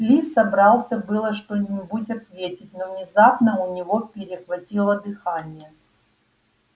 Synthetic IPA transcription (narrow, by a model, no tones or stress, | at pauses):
plʲisːɐbɾɑlˠsʲəbɨlˠəʂt̪onʲɪbutʲɐt̪vʲetʲɪt̚ʲnovnʲɪzapnəʊnʲɪvo̞pʲɪɾʲɪxvɐtʲilˠəd̪ɨxanʲɪjə